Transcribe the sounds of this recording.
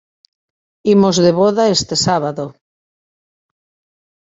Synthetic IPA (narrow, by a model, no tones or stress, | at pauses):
imozðeβoðaest̪esaβ̞aðo